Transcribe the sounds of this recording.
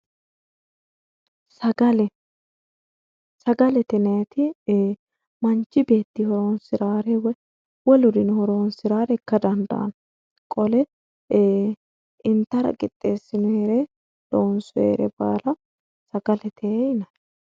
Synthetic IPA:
sɐɡɐlɛ | sɐɡɐlɛt̪ɛnet̪ɪ | mɐnt͡ʃːɪbe̞ːt̪ːɪhɔɾoːnsɪɾaːɾɛw | wɔlʊd̪ɪnhɔɾo̞ːnsɪɾaːɾɛɪkːɐd̪ɐnd̪ɐ̰ʔɐ̰n | kʼɔlɛ | ʔɪnt̪ːɐɾɐ̰kʼɪt̪ʼːe̞ːsːɪnʊheːɾɛ | loːnsʊḛːɾɛ̰ba̰ːlɐ | sɐɡɐlɛt̪ʰeːɪnɐ

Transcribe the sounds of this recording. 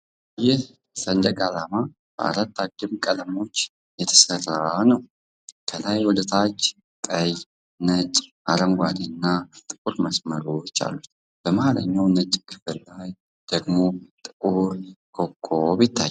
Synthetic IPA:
jɪh | sənd̪əkʼalama | b̥ə̰a̰ɾat̪ːad͡ʒːɨmkʼələmo̞t͡ʃː | jɛt̪ʰə̥sərːanəw | kʰəlajwɔd̪ət̪ʰat͡ʃː | t̪ʼəj | nət͡ʃʼʔaɾəŋɡʷad̪ɨnːat̪ʼɨkʼuɾməsməɾot͡ʃːa̰lːut̪ | b̥əmalə̰ɲːawnət͡ʃʼːkʰɨ̥fɨlːaj | d̪̥əɡmo̞t̪ʼɨkʼuɾkʰʼokʼːobɪt̪ʰːaj

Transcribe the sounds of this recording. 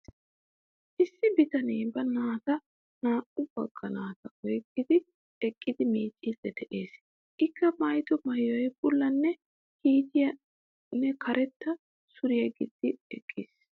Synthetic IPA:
ʔɪsːɪbɪt̪ɐneːbɐnaːt̪ɐ | naːʔʼʊb̥ɐ̰ɡ̥ːɐnaːt̪ɐʔɔjɡɪd̪ɪ | ɛkʼːɪd̪ɪmiːt͡ʃʼːɪd̪ɛd̪ɛʔe̞ːs | ʔɪkːɐmɐjt̪ʊmɐjɔjbʊlːɐnːɛ | hiːt̪ɪjɐ | nːɛkʰɐɾʔɛt̪ːɐ | sʊɾɪjɐɡɪd̪̥ːɪɛ̰kʼːis

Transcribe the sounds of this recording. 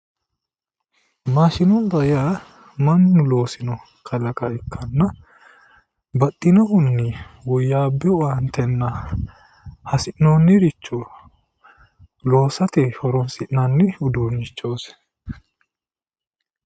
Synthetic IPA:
maːʃɪnɔnb̪ɐjaː | mɐnːʊlo̞ːsɪnɔ | kʰɐlɐkɐɪkːɐnːɐ | bɐt̪ʼːɪnɔhʊnːɪwɔjːaːbːɛɔant̪ɛnːɐ | hɐsɪʔnoːnːɪɾɪt͡ʃːɔ | lo̞ːsɐt̪ɛhɔɾɔnsɪʔnanːɪʊd̪uːnːɪt͡ʃːoːs

